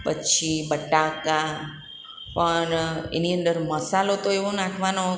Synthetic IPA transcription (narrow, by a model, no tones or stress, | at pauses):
pət͡ʃʰibəʈaka | pəɳḛniə̃nd̪əɾməsalot̪oeʋonãkʰʋano